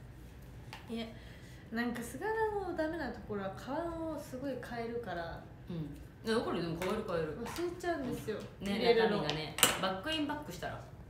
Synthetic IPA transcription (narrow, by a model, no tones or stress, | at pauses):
ia | nãŋkasɨɡananod̪ame̞nat̪o̞ko̞ɾo̞βakʰaβanosɨɡo̞ikʰae̞ɾɯ̟kaɾa | ɯ̃ɴ | ad̪okoɾed̪emokaβaeɾɯ̟kaeɾɯ̟βasɨet͡ɕaɯ̟̃nd̪e̞sɨjo̞neeɾamĩɡanebakːɯ̟ĩmbakːɯ̟ɕi̥t̪aɾa̰